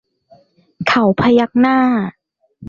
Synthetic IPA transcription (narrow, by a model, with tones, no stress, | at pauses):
kʰa˨˩˦wpʰa˧ja˦˥k̚naː˥˩